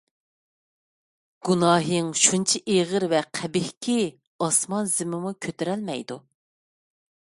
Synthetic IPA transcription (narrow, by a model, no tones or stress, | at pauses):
ɡ̥unɑːɦɨŋʃunt͡ʃʰiʔeʁəɾvɛqʰæbɪhkʲʰi | ɑsmɑnzɪmɪmukʲʰøt̪ɪɾɛlmɛ̰jd̪u